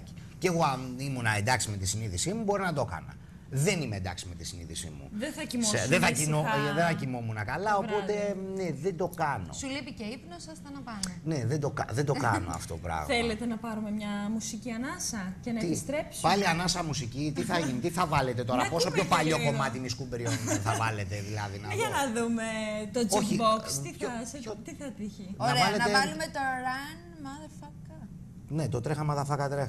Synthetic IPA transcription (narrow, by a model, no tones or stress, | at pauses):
ceɣoɐimunɐend̪ɐksime̞t̪isiniðisimubo̞ɾinɐd̪o̞kɐ̰nɐ̰ | ðe̞nimeḛnd̪ɐ̰ksime̞t̪isinḭðisḭmṵðeθɐcimsoðeθɐcinoðeθɐcimomunɐkɐlɐo̞po̞t̪e̞neðend̪o̞kɐno̞sulipiceipnosɐst̪ɐnɐpɐnne̞ðend̪o̞kɐ̰ðend̪oɐ̰no̞̰ɐ̰ft̪ot̪opɾɐ̰ɣmelet̪enɐpɐɾumemɲɐmusiciɐnɐsɐce̞nɐeist̪ɾe̞psupɐliɐnɐsɐmusicit̪iθɐʝinit̪iθɐvɐle̞t̪e̞t̪o̞ɾɐpo̞sopçopɐʎo̞ko̞mɐt̪iniskumbeɾionmenθɐvɐlet̪e̞ðilɐ̰ðinɐʝɐnɐðumet̪od͡zoikçibokst̪isot̪iθɐt̪içinnɐɾevɐlenɐevɐlumet̪oɾɐn | mɐðɐfɐkɐ | net̪ot̪ɾexɐmɐðɐfɐkɐt̪ɾex